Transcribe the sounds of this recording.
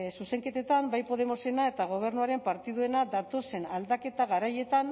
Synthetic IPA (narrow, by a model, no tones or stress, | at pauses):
suse̞ŋke̞t̪e̞t̪ambajpo̞ð̞e̞mo̞se̞nae̞t̪aɣ̞o̞β̞e̞ɾnuaɾe̞mpaɾt̪iðue̞nad̪at̪o̞se̞nald̪ake̞t̪aɣaɾaje̞t̪an